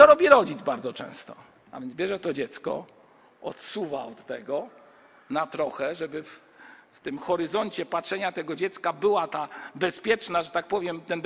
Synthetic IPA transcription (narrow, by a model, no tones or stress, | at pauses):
ɔɾɔbʲiɾɔd͡ʑid̪zbaɾdzɔt͡ʂɛ̰̃w̃st̪ɔ | a̰vʲjɛnzbʲjɛʐɛt̪ɔd͡ʑɛt̪skɔ̰ | ɔ̰t̪suvaɔt̪ːɛɡɔ | nat̪ɾɔxɛʐɛbɘf | ft̪ɘmxɔɾɘzɔɲt͡ɕɛpatʂɛɲat̪ɛɡɔd͡ʑɛt̪skabɘwat̪abɛspʲjɛt͡ʂnaʐɛt̪ak̚pɔvʲjɛmt̪ɛn